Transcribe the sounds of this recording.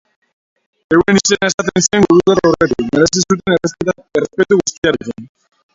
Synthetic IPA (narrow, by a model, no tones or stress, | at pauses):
e̞wenise̞nae̞sat̪ensieŋɡuɾuðaroret̪ikmeɾe̞sisut̪̬enre | erespet̪uɣust̪iaɾekin